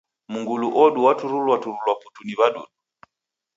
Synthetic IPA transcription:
muŋɡuluʔɔɗuwatuɾulwatuɾulwapu̥tuniβaɗṵɗu

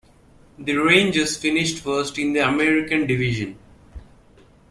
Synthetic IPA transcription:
d̪iɾẽːnd͡ʒəzfɪnɪʃʈfəɾsʈɪ̃nd̪iɐmɛɾɪkə̃nɖɪʋɪʒə̃n

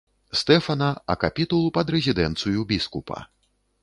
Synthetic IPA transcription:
st̪ɛfɐnɐɐ̰kapʲit̪ulˠupɐd̪ɾɛzʲid̪ɛnt̪sɨjubʲiskupʰɐ̰

